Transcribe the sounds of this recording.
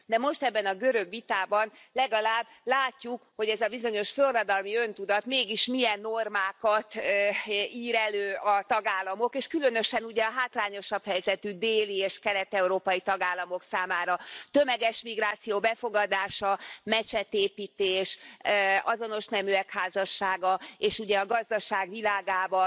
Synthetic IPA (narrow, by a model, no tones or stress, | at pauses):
d̪ɛmo̞ʃt̪ɛbːɛnɒɡø̞ɾøɡʋit̪aːbɒnlɛɡɒlaːbːlaːcːukho̞ɟɛzɒbizo̞ɲo̞ʃfølrːɒd̪ɒlmiø̞nt̪ud̪ɒt̪meːɡiʃmijɛnːormaːkɒt̪ | iːɾɛløːɒt̪ɒɡaːlːɒmo̞keːʃkylø̞n̪ø̞ʃɛnuɟɛɒɦaːt̪laːɲo̞ʃɒphɛjzɛt̪yd̪eːlieːʃkɛlɛt̪ɛuɾoːpɒjit̪ɒɡaːlːɒmo̞ksaːmaːɾɒt̪ømɛɡɛʃmiɡɾaːt̪sijoːbɛfo̞ɡɒd̪aːʃɒmɛt͡ʃɛt̪eːpiːt̪eːʃ | ɒzono̞ʃnɛmyɛkhaːzɒʃːaːɡɒeːʃuɟɛɒɡɒzd̪ɒʃaːɡʋilaːɡaːbɒ